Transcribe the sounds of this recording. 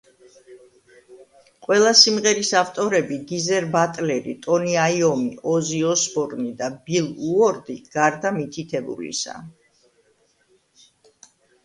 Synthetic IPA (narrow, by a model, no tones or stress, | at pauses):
qʼwɛlˠasimʁɛɾisaft̪ʼɔɾɛbiɡizɛɾbat̪ʼlɛɾḭt̪ʼɔniaiɔmiɔziɔsbɔɾnid̪abilˠuɔɾd̪iɡ̥aɾd̪amit̪ʰit̪ʰɛbṵlḭsa̰